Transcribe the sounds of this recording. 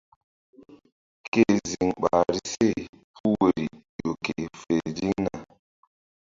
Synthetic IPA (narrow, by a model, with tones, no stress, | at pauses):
ke˦˨zi˨ŋɓa̰˨ɾi˦se˦˨pʰu˦we˨ɾi˨jo˨ke˨fe˨d͡ʒi˦ŋna̰˨